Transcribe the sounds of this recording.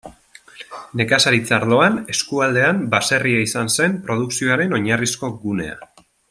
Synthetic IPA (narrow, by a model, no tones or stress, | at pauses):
ne̞kasaɾit͡saɾðo̞ane̞skuald̪e̞ambase̞riaisanse̞mpɾo̞ðuksio̞aɾe̞no̞ɲarisko̞ɡune̞̰a̰